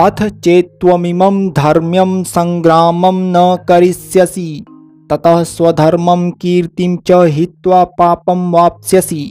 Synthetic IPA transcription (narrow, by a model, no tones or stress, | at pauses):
ɐt̪ʰt͡ʃeːt̪ʋɐmimɐmd̪ʱɐɾmjɐmsɐŋɡɾaːmɐmnɐkɐɾisjɐsi | t̪ɐt̪ɐɦswɐd̪ʱɐɾmɐmkiːɾt̪iɲt͡ʃɐɦit̪ʋaːpaːpɐmʋaːp̚sjɐsi